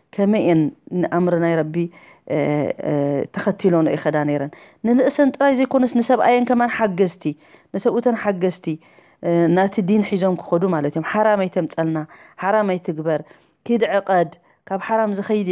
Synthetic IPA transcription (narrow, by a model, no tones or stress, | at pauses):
kʰɐmɐjʔennɨʔamɾɨnajɾɐbːi | t̪ʰɐxɐt̪ʰilo̞nʔɪxɐd̪ane̞ɾɐnː | ɨnɨʔsɐnt̪ʼɨɾajzɐjkʰo̞nɐsnɨsɐβʔa̰jenkʰɐmanħaɡɐzt̪ʰi | nɨsɐβʔut̪ʰɐnħaɡɐzt̪ʰi | nat̪ʰid̪inħizo̞mkʰɨ̥xɐd̪umalɐt̪ʰjomħaɾamajt̪ʰɐmt͡sʼɐlnaħaɾamajt̪ʰɨɡbɐɾ | kʰɨd̪ʕɨqʼɐd̪ | kʰaβħaɾamzɨxɐjɪd̪